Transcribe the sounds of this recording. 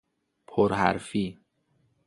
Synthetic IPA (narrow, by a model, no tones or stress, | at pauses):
pʰoɾhæ̰ɾfiː